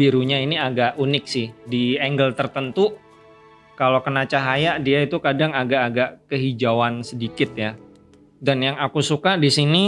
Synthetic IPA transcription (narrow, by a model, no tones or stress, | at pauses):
biɾuɲainiaɡaʔunɪk̚sɪhdiɛŋɡəlt̪ərt̪ənt̪u | kalokənat͡ʃaɦajaʔdiait̪ukadaŋaɡaʔːɡaʔkəɦid͡ʒawansədikɪt̪̚ja | danjaŋakusukadisini